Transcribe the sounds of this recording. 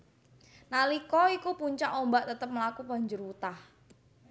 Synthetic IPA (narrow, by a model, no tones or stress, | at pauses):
nalikɔikupuɲt͡ʃaʔombaʔt̪ət̪əp̚məlakupa̤ɲd͡ʒʊrwut̪ah